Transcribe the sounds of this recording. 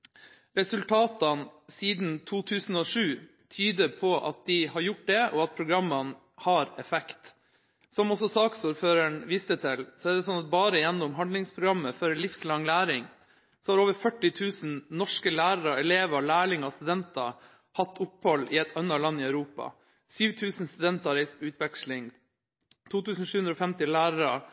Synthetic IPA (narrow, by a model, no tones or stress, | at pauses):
ɾɛsʉlt̪ʰɑːt̪ɑnsiːd̪n̩t̪ʰuːt̪ʰʉːsn̩ɔːʂʉː | t̪ʰyːd̪əpʰɔʔɑ̰t̪̚d̪ɪhɑɾjʊʈ̚d̪ɛʔɔɑt̪̚pʰɾʊɡɾɑmːɑn | hɑːɾɛfɛkt̪ | sɔmɔsɔsɑːksuːɾføːɾəɳʋiːst̪ət̪ʰɪlsɔæɖ̪ɛsɔnːɑt̪̚bɑːɾəɪjɛnːʊmɦɑnd̪lɪŋspʰɾʊɡɾɑmːəfœɾlɪfslɑŋlæːɾɪŋ | sɔhɑɾoːʋəɾfœʈːɪt̪ʰʉːsnnɔʂkəlæːɾəɾɑɛleːʋɑlæːɭɪŋɑst̪ʉd̪ɛnt̪ɑ | hɑt̪ʰːʊphɔlːɪɛt̪ʰɑnɑlɑnːɪœʉɾuːpɑ̰ | syːʋt̪ʰʉːsnst̪ʉd̪ɛnt̪ɑɾɛɪst̪pʰɔʉːt̪ʰʋɛkʂlɪŋ | t̪ʰuːt̪ʉːsn̩ʂʉːʉnd̪ɾɔːfɛmt̪ɪlæːɾɑɾɑ